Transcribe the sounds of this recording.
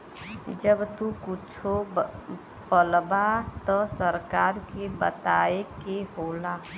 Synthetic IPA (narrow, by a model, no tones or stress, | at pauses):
d͡ʒəbt̪ukʊt͡ʃʰo | pəlbat̪ɔsəɾkaːɾkebət̪aːekeɦoːlaː